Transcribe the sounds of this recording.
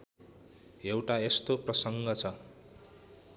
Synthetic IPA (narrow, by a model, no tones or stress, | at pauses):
ewʈaest̪oprʌsʌŋɡʌt͡sʰʌ